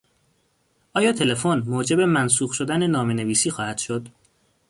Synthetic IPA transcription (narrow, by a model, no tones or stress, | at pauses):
ʔɒːjɒːt̪ʰe̞le̞fonmoːd͡ʒe̞be̞mæns̬uːɣʃo̞d̪æne̞nɒːme̞ne̞viːsiːxɒːhæd̪̥ʃod̪